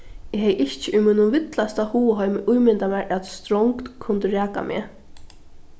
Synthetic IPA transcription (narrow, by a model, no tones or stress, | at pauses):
ɪɦɛjɪht͡ʃɪʔujmiːnʊvɪt̪last̪ahuːəɦɔʏmɪʔujmɪnt̪amɛɹʔat̪st̪ɾɔŋkt̪kʰːʊnt̪əɾæːka̰mʔɪ̰ː